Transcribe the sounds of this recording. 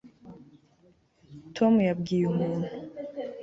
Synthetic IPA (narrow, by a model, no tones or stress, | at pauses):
tʰomujabɡiːjumuːnu